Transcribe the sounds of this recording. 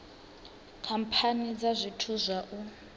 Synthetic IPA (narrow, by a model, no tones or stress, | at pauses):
kʰampʰanid͡zazʷitʰuzʷaʔu